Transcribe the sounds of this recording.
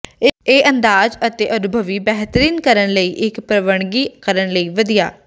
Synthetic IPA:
eːʔənd̪aːzət̪eːʔənʊbʱəʋiːbɛːɦt̪əɾiːnkəɾəɳləiːʔɪkpɾəʋəɳ̃ɡiːkəɾənləiːʋəd̪ija̰ː

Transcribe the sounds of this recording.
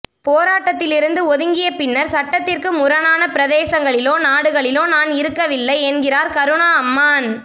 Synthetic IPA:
poːɾaːʈːɐt̪ːɪlɪɾɯnd̪ɯɔðɯŋɡɪjɐpɪnːɐɾsɐʈːɐt̪ːɪrkɯmʊɾɐnaːnɐpɪɾɐðeːsɐŋɡɐɭɪloːnaːɽɯɣɐɭɪloːnaːnɪɾɯkːɐʋɪlːɐɪɛnɡɪraːɾkɐɾɯɳaɐmːaːn

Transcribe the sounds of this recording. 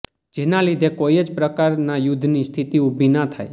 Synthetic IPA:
d͡ʒenalid̪ʱekoiəd͡ʒpɾəkaɾnajud̪ʱnist̪ʰit̪iubʱinat̪ʰaj

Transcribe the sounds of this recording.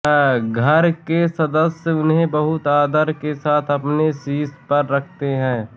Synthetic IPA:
ɡʱɐɾkesɐd̪əsəʊnɦẽbɐɦʊt̪aːd̪əɾkesaːt̪ʰɐpnesiːspɐɾːɐkʰt̪eɦɛ̃ː

